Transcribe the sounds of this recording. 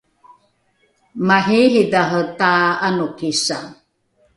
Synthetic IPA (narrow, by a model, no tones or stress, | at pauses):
maɦiɦidaɦət̪aanukisa